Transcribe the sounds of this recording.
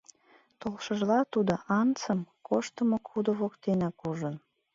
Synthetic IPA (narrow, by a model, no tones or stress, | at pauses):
t̪olʃəʒlɑt̪ud̪oʔɑnt͡səmkʰoʃt̪əmokud̪oβokt̪enɑkuʒən